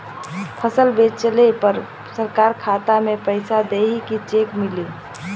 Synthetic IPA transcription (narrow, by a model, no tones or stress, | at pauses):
pʰəsəlbet͡ʃt͡ʃəlepəɾ | səɾkaːɾkʰat̪amepəɪsad̪eɦikit͡ʃekmɪli